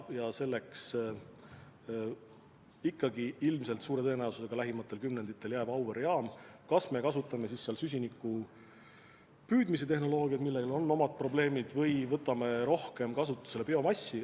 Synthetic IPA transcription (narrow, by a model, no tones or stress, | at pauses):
jɑse̞lːe̞ks | ikːɑɡiilmse̞lt̪suːɾe̞t̪ɤ̞e̞næwsuse̞ɡ̥ɑlæɦimɑt̪ːˑe̞lkymne̞nd̪̥it̪ˑːe̞ljæːb̥ɑwveɾiɑːmkɑsme̞kɑsut̪ːˑɑme̞sisːeɑlsys̬ʲinikːˑu | pyːd̪mis̬et̪e̞hno̞lo̞ːɡ̥iɑd̪̥milːelo̞nːo̞mɑd̪̥̚pro̞ble̞ːmid̪̥vɤjvɤt̪ːˑɑme̞ɾo̞hke̞mkɑsut̪ːˑu̥se̞lepeo̞mɑsʲːi